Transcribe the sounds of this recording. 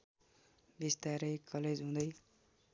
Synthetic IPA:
bist̪aɾʌjkʰːʌled͡zɦũd̪ʌj

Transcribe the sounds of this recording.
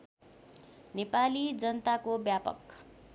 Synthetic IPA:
nepalid͡zʌnʌt̪akobjapʌ̰k

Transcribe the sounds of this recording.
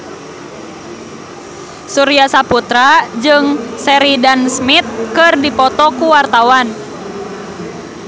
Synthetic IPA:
suɾiasaput̪ɾad͡ʒɨŋsɛɾidansmit̪̚kɨrdipɔt̪ɔkuwart̪awan

